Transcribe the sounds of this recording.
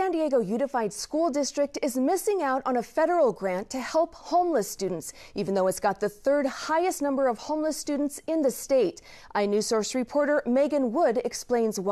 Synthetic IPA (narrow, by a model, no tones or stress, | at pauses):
æ̃ndiɛɡoʊjʉnɨfaɪd̥skulˠdɪstɹ̥ɨk̚tɨzmɪsɪ̃ŋaʊɾn̩əfɛɾə˞l̩ˠɡɹæ̃ntʰɨhɛlˠphõʊ̃mləstʉdⁿn̩ts | ivn̩ðoʊɨtzɡ̥ɑt̪̚ðɨθɜ˞d̚haɪɨstnʌ̃mbə˞ʌv̥hõʊ̃mləstʉdⁿn̩tsɪ̃nðɨsteɪɾ | ʔaɪnʉsɔɹsɹɨpʰɔɹɾə˞meɪɡɨ̃nwʊɾɨksplẽɪ̃nzw